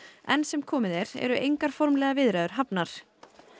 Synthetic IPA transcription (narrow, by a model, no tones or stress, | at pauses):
ɛnsɛmkʰɔːmɪðɛɾ̥ɛ̰ɾʏʔejŋkaɾ̥fɔɾmlɛːɣavɪðɾaðʏɾ̥ɦapnaɾ̥